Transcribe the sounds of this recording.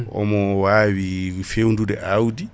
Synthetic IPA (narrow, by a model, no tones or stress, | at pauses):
ɔ̰mɔwaβifeundudɛ̰ʔaudi